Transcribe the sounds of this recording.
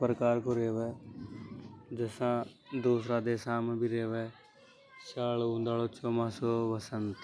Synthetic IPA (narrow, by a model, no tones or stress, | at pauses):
pɾəkaːɾkoɾeːʋeː | d͡ʒəsãːd̪uːsɾaːd̪eːsaːmbʱiɾeːʋeː | saːloũnd̪aːloːt͡ʃʰoːmãːsoːʋɐsənt̪